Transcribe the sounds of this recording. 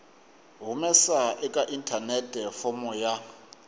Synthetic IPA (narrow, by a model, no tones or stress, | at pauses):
ɦumɛsaʔɪkʼaʔintʰanɛtʼɛfɔmɔja